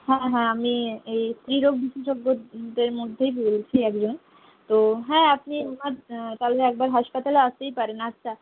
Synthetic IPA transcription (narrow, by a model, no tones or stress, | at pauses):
hɛ̃ɦɛ̃amiejst̪ɾiɾoɡ̚biʃeʃoɡːod̪eɾmod̪ʱːejbolt͡ɕʰiɛkd͡ʑon | t̪oɦɛ̃apniamaɾt̪aeɛk̚baɾɦaʃpat̪aleast̪ejpaɾenatːɕʰa